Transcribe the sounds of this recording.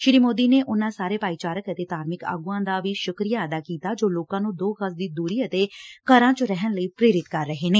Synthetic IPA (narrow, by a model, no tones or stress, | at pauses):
ʃɪɾiːmoːd̪iːneːʔʊnãːsaːɾeːpaːiːt͡ʃaːɾəkət̪eːt̪aːɾmɪka̰ːɡuːãːd̪aːʋiːʃʊkɾijaːəd̪aːkiːt̪aːd͡ʒoːloːkãːnũːd̪oːkəsd̪iːd̪uːɾiːət̪eːkəɾãːt͡ʃoɾɛɦənləiːpɾeːɾɪt̪kəɾːəɦeːneː